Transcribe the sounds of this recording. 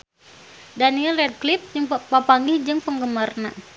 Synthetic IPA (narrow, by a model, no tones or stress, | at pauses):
daniɛlɛd̚klip̚d͡ʒəŋpapaŋɡihd͡ʒɨŋpəŋɡəmərna